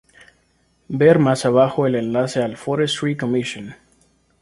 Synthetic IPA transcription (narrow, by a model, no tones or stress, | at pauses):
beɾmasaβaxoelẽnlase̞alfoɾest̪ɾikomiʃõn